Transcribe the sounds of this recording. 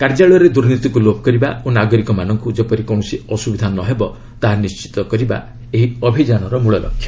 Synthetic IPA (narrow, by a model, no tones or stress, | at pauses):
kaɾd͡ʒaɭɾed̪uɾnit̪ikulobʱɔkɔɾiba̰onaɡɔɾikɔmanɔŋkud͡ʒepɔɾikɔw̃ɔsiɔsubid̪ʱanɔɦebɔ | t̪aɦanist͡ʃi̥t̪ɔkɔɾiba̰ | eɦiɔbʱid͡ʒañɔɾɔmuɭɔlɔ̰kʰːjɔ